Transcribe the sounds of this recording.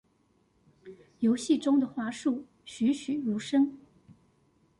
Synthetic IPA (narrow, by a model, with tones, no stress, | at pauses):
jo˧˥ʊɕi˥˩ʈ͡ʂʊ˥ŋd̪ə˨xwa˧˥ʂu˥˩ | ɕy˧˥ɕy˨˩ɻu˧˥ʂɤ˥ŋ